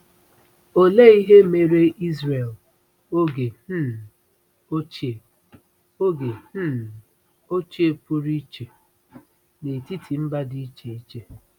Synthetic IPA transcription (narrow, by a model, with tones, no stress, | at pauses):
o˨le˦i˦ɦe˦me˨ɾe˦ʔi˦zɾe˨l | o˦ɡe˨˦ | o˦t͡ʃ | o˦ɡe˨˦˨ | o˦t͡ʃi˦e˨pu˦ɾi˦t͡ʃe˨ | ne˨ti˦tʰi˨m̩˦ba˦di˦t͡ʃe˨i˦t͡ʃe˦